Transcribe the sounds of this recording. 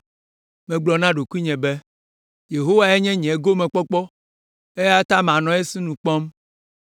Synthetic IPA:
mɛ̃˨ɡ͡blɔ˨nã˦ɖo˨ku˦i˦ɲɛ̃˨bɛ˦ | je˨ɦo˦wa˨e˦ɲɛ̃˦ɲɛ̃˨˦ɡo˦mɛ̃˨k͡pɔ˦k͡pɔ˦ | e˦ja˦t̪a˦mã˨nɔ̃˨˦e˦si˦nũ˨k͡pɔ̃˦m

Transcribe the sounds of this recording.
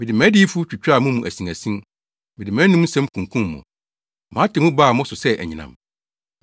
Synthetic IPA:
mɪ̃˨dɪ˨mæ̃˨˦di˦fu˦t͡ɕᶣu˨t͡ɕᶣɾa˦˨mũ˦mũ˨ʔæ˨sĩ˨ŋæ˨sĩ˦n | mɪ̃˨dɪ˨mæ̃˨˦nũ˦m˦sɛ̃˦mkʰũ˨ŋkʰũ˦mː˨ʊ̰̃˨ | mã˨˦tʰɪ˨mũ˦baː˦˨mʊ̃˦sʊ˨sɛ˦ʔæ̰˨ɲĩ˨nã̰˨m

